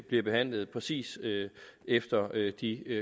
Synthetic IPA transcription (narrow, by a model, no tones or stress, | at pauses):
b̥liɐb̥e̝ɦæn̰ləð̞̩ˠpʰʁɛsḭːsøefd̥ɐød̥i